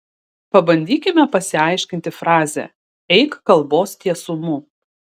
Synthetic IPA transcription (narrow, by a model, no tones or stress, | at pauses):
pɐbɐnʲd̪ʲiːkʲɪmʲɛpɐsʲɪɐɪʃʲkʲɪnʲt̪ʲɪfɾɑːzʲɛ̰ | ɛɪkkɐlˠboːst̪ʲiɛsʊmu